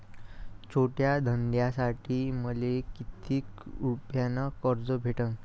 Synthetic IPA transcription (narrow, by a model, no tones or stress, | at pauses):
t͡ɕʰoʈjad̪ʱənd̪jasaʈʰiːməlekit̪iːkɾupjanakəɾd͡zobʱeʈəŋ